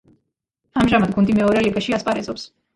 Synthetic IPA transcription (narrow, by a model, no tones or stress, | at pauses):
amʒamad̪ɡund̪imɛɔɾɛliɡaʃiaspʼaɾɛzɔps